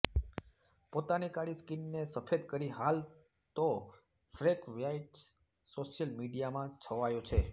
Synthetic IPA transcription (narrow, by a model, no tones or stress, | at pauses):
pot̪anikaɭiskinːesəfed̪kəɾiɦal | t̪o | fɾekʋjaiʈ | soʃjəlmiɖijamãt͡ʃʰəʋajõt͡ʃʰe